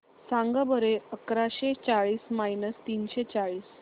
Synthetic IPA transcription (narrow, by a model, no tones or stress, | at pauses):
sãŋɡəbəɾeəkɾaɕet͡saɭiːsmajnəst̪iːnɕet͡saɭiːs